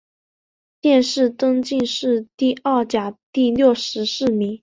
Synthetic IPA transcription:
t̪jɛ˥˧nʂɻ̩˥˩t̪ɤ˥ŋt͡ɕi˥˧nʂɻ̩˥˧t̪i˥˧ɐ˥˩t͡ɕja˨˩t̪i˥˧ljo˥˩ʂɻ̩˧˥ʂɻ̩˥˩mi˧˥ŋ

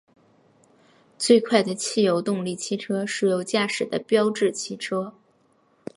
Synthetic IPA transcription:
t͡swe˥˧ɪkʰwa˥˩ɪd̪ə˩t͡ɕʰi˥˩jo˧˥ʊt̪ʊ˥˧ŋli˥˩t͡ɕʰi˥˩ʈ͡ʂʰɤ˥ʂɻ̩˥˩jo˧˩ʊt͡ɕja˥˩ʂɻ̩˨˩d̪ə̰˦pjɑ˥ʊʈ͡ʂɻ̩˥˩t͡ɕʰi˥˩ʈ͡ʂʰɤ˥

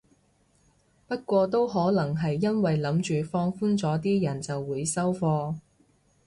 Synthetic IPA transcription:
pɐ˥t̚kʷɔː˧t̪̬o˥wɦɔː˨˥lɐ˨˩ŋɦɐ˨jːɐ˥nwɐ˨jlɐ˨˥mt͡ʃyː˨fɔː˧ŋfuː˥nt͡sɔː˨˥t̪iː˥jɐ˨˩nt͡sɐ˨wːuː˨˧˥jsɐ˥wfɔː˧

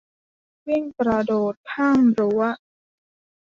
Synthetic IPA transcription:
wi˥˩ŋkɾa˧doː˨˩t̪̚kʰaː˥˩mɾu˩˦ɐ

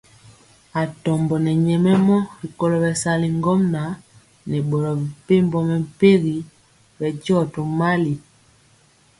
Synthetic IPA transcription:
a˨tɔ˨mbɔ˨nɛ˨ɲɛ˨mɛ˦mɔ˦ɾi˨kɔ˦lɔ˨bɛ˨sa˨li˨ŋɡɔ˦mna˨˦ | nɛ˨ɓɔ˨lɔ˨bi˨pe˦mbɔ˦mɛ˨mpe˦ɣi˨ | bɛ˨d͡ʒɔ˦˨to˨ma˦li˨

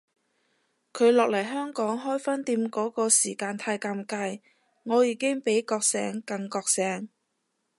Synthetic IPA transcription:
kʰɵ˨˧ɥlɔː˨k̚lɐ˨˩jɦœː˥ŋkɔː˨˥ŋɦɔː˥jfɐ˥nt̪iː˧mkɔː˨˥kɔː˧siː˨˩kaː˧nt̪ʰaː˧jkaː˧mkaː˧j | ŋɔː˨˧jiː˨˧kɪ˥ŋpe˨˥jkɔː˧k̚sɛ̰ː˨˥ŋkɐ˧ŋkɔː˧k̚sɛː˨˥ŋ

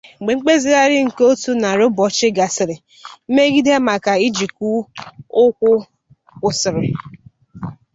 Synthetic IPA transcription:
ŋ͡m̩˨ɡ͡be˨ŋ͡m̩˦k͡pe˦zɪ˦ɾa˦ɾɪ˦ŋ̩˨ko˦tu˦na˨ɾo˦bɔ˨t͡ʃɪ˦ɡa˨sɪ˨ɾɪ˨ | m̩˦me˦ɡi˦de˦ma˨ka˨i˦d͡ʒi˨ku˦ʊ˦kʷʊ˦ | kʷʊ˨sɪ˨ɾɪ˨

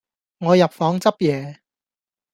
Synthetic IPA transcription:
ŋɔː˨˧jɐ˨p̚fɔː˨˧˥ŋt͡sɐ˥p̚jɛː˨˧

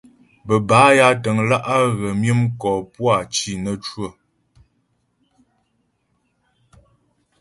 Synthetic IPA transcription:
bə˨baː˨˦ja˦tə˨ŋla˦ʔa˦ɣə˨mjə˦mkɔː˨pwa˦˨t͡ʃi˨nə˦t͡ʃwə˦˨

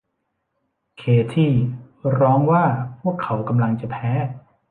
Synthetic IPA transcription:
kʰeː˨˩t̪ʰiː˥˩ | ɾɔː˦˥ŋwaː˥˩pʰu˥˩əkʰːa˩˦wka˧mla˧ŋt͡ɕa˨˩pʰɛː˦˥

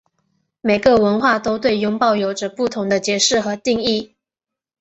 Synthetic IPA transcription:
me˨˩ɪɡə˧˦wə˧˥nxwa˥˩t̪o˥ʊt̪we˥˩ɪjʊ˧˥ŋpɑ˥˩ʊjo˨˩ʊʈ͡ʂə˧˦pu˥˩t̪ʰʊ˧˥ŋd̪ə˧t͡ɕjɛ˧˥ʂɻ̩˥˩xɤ˧˥t̪i˥˧ŋi˥˩

